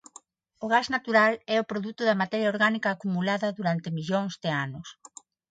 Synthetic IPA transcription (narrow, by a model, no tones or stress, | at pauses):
ʊɣaznat̪uɾalɛʊpɾoðut̪ʊðɐmat̪ɛɾjɐoɾɣanikaːkumulaðɐðuɾant̪ɪmiʎoŋzðɪanʊs